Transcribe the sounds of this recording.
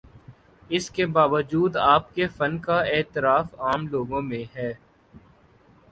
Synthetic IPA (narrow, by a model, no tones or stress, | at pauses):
ɪskebaːʋəd͡ʒuːd̪aːp̚kefɐnkaeːt̪ɪɾaːfaːmloːɡõmẽɦɛː